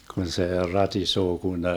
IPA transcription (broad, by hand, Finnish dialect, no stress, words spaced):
kun se rɑtisoː kun